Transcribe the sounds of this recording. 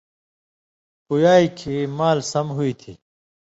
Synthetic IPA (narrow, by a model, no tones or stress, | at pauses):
pujaːikʰimaːlsɐmɦuit̪ʰḭː